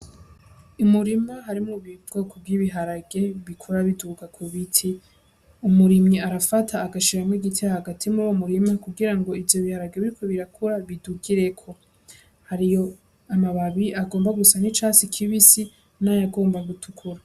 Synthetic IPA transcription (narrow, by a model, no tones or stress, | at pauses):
umuɾimaɦaɾimŋuβibɡ̥okovɡiβiɦaɾaɡe̞βikʰuɾaβiduɡakʰuβitʰi | umuɾimɲiaɾafatʰaːɡaʃiɾamŋiɡitʰijahaɡatʰimuɾuwomuɾimakuɡiɾaŋɡo̞ivjo̞βihaɾaɡe̞βiɾikʰo̞βiɾakʰuɾaβiduɡiɾe̞kʰo̞ | haɾijo̞ | amaβaβiʔaɡoːmbaɡusanit͡ʃasikʰiβisi | najaɡo̞ːmbaɡutʰukʰuɾa